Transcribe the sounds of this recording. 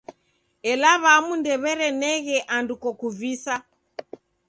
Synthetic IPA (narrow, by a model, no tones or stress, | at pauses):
ɛlaβamundɛβɛɾɛnɛɣɛʔandukɔkuvisa